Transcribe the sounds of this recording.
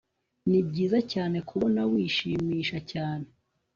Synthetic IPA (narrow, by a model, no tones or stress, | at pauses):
nib̚ɟiːzacaːne̞kʰuβonawiʃimiːʃacaːne̞